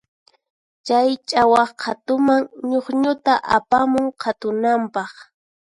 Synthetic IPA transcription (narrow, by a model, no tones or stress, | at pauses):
t͡ʃajt͡ʃʼawɑχqʰat̪ʊmaŋɲoχɲʊt̪aʔapamʊŋqʰat̪ʊnampɑχ